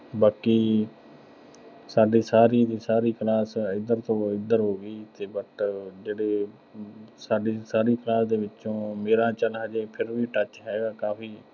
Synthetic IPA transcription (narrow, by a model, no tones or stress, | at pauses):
baːkiː | saːɖiːsaːɾiːd̪iːsaːɾiːklaːsɪd̪əɾt̪õːɪd̪əɾɦoːɡəiːt̪eːbət̪d͡ʒeːɽeː | saːɖiːsaːɾiːklaːsd̪eːʋɪt͡ʃːõːmeːɾãːt͡ʃəlɦəd͡ʒeːpʰɪɾʋiːʈət͡ʃɦɛːɡaːkaːpiː